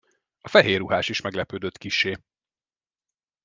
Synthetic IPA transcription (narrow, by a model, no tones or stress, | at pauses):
ɒfɛɦeːɾuɦaːʃiʃmɛɡlɛpøːd̪øt̪kiʃːeː